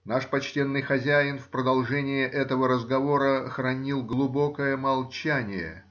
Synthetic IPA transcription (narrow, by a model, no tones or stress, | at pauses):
naʂpɐt͡ɕtʲe̞nːɨjxɐzʲæjɪnfpɾəd̪ɐlˠʐɛnʲɪjɪʔɛt̪əvəɾəzɡɐvo̞ɾəxɾɐnʲilˠɡlˠʊbo̞kəjəmɐlˠt͡ɕænʲɪjə̰